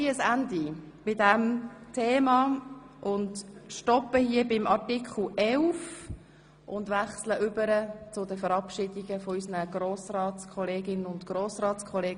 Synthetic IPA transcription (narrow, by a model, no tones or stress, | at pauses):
iəsændi | bɪdæmtʰeːmɑːʔʊndʃtɔpəhiəbɪmɑɹtikχl̩ɛlf | ʔʊndʋæχsləʔʏbəɾət͡sʊdəfəɾɑpʃɪdiɡəfɔysənəɡ̥ɾoːsrɑːtt͡skʰɔleːɡɪnənʊntɡ̥ɾoːsrɑːtt͡skʰɔleːɡ